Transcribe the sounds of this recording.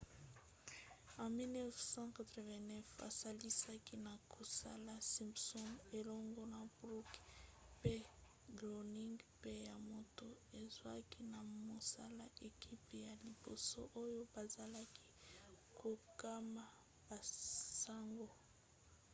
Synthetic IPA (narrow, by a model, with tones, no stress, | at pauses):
ã˨mi˦lnɛ˦fsɑ̃˦ka˨t̪ʁɔ˨vɛ̃˨nɛ˦fa̰˨sa˦li˦sa˦ki˦na˨kʰo˨sa̰˦la˦si˨mpsɔ˦ne˨lɔ˦ŋɡɔ˦na˨bʁu˦kpe˦ | ɡlo˨ni˦ŋɡpe˦ja˨mo˨to˦e˨zwa˦ki˦na˨mo˨sa˦la˦ʔe˨kʰi˦pja˨li˨bo˨so̰˦ʔo˦jo˦ba˨za˨la˦kʰi̥˦kʰo˨ka˦ma˦ | b̥a˨sa˦ŋɡo˦